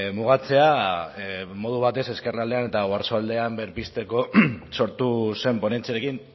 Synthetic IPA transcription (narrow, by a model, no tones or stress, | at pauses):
muɣ̞at͡se̞a | mo̞ð̞uβ̞at̪e̞se̞ske̞rald̪e̞ane̞t̪aɣoaɾsoald̪e̞ambeɾpist̪e̞ko̞so̞ɾt̪use̞mpo̞ne̞nt͡siaɾekin